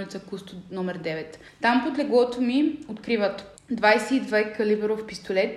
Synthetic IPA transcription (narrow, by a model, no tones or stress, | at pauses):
lʲit̪səkust̪ʊnɔmɛɾd̪ɛvɛt̪ | t̪ampod̪lɛɡɔt̪omiot̪kɾivət̪ | d̪vajsɛid̪vajkɐlibɛɾofpist̪olɛt̪